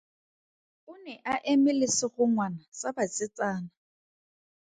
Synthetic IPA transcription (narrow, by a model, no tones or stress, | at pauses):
ʊnɛʔaʔemɪlɪsɪχʊŋwanasabat͡sʼɪt͡sʼaːna